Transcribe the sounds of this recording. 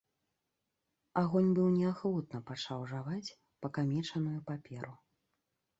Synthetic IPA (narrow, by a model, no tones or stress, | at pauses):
aɣɔnʲbɨwnʲɛaxvut̪nɐpat͡ʂawʐavat͡sʲ | pɐkamʲɛt͡ʂɐnujupapʲɛɾu